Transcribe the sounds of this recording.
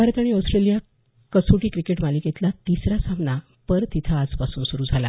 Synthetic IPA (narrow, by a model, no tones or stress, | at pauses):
aɾət̪aɽ̃iɔwsʈɾelija | kəsuʈiːkɾikeʈmaliket̪lat̪isɾasamna | pəɾt̪it̪ʰaːd͡zpasuːnsuɾuːd͡zʱala̰